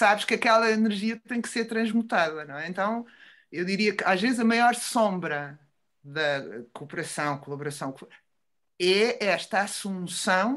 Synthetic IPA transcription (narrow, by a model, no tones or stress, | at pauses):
saβʃkɐkɛlˠɐinɨɾʒiɐt̪ɐ̃j̃kseɾt̪ɾɐ̃ʒmut̪aðɐnɐ̃ɛ̃ẽnt̪ɐ̃w̃ | ewðiɾiɐkaʒvezzɐmɐjɔɾsõmbɾɐ | ðɐkupɨɾɐsɐ̃w̃kulˠɐβuɾɐsɐ̃w̃k | ɛɛʃt̪aasumusɐ̃w̃